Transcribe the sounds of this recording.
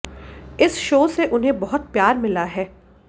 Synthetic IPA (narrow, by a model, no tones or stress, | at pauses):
ɪsʃoːseʔʊnɦẽbɐɦʊt̪̚pjaːɾmɪlaɦɛː